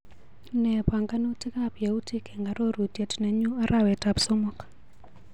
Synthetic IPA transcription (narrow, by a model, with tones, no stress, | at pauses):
nɛ˨pwa˨ŋɡa˦no˦ti˦ka˦pje˨u˦tʰi˦kɛ˨ŋɡa˨ɾo˦ɾu˨tje˨tnɛ˨ɲu˦a˦ɾʔa˨wɛ˨ta˨psɔ˦mɔ˦kḁ